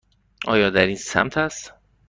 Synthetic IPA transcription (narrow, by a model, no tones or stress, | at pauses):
ʔɒ̰ːjɒːd̪æɾiːnsæ̰mt̪ʰæst̪